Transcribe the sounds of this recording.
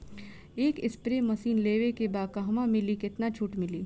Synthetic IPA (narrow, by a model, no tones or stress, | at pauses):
eːkɪspɾeːmɐsiːnleːʋekebaːkaɦɐmãmɪlikɪt̪nat͡ʃʰuːʈmɪliː